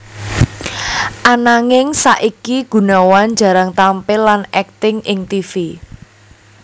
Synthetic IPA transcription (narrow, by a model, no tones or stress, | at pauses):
ʔanaŋɪŋsaʔikiɡ̥ṳnawan̥d͡ʒ̥a̤ɾaŋt̪ampɪlanɛk̚t̪ɪŋɪŋt̪ifi